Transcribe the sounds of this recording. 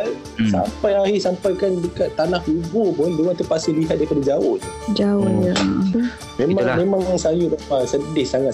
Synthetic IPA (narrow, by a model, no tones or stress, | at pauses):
a | sa̰mpajahisampajkandəkat̪ːanahibupʊnbewat̪upasɪliɦat̪̚daɾipadad͡ʒawʊht̪ʊd͡ʒaʊja | mẽmmamẽmãŋŋsajubapasədɪhsaŋat̪